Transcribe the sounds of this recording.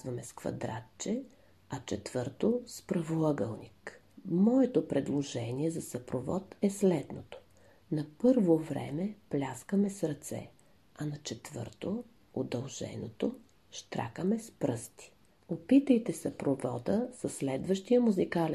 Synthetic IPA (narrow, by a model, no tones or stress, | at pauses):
vɐmɛskvɐ̰d̪ɾa̰t̪t͡ʃɛ | ɐt͡ʃɛt̪v̥ɤɾt̪ospɾɐvolˠəɡəlˠnik | mɔɛt̪opɾɛd̪lˠoʒɛniɛzɐsɐpɾovɔt̪ɛslɛd̪not̪o̥ | nɐpɤɾvovɾɛ̰mɛplʲaskəmɛsɾɐt̪sɛ̰ | ɐnɐt͡ʃɛt̪vɤ̰ɾt̪o | od̪ɐlˠʒɛ̰not̪o | ʃt̪ɾa̰kəmɛspɾɤst̪i̥ | opit̪əjt̪ɛsɐpɾovɔd̪əsɐslɛd̪vəʃt̪ijəmuzikalɛ